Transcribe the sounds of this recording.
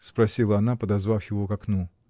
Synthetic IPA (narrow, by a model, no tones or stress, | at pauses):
spɾɐsʲilˠəɐnapəd̪ɐzvafjɪvokɐknu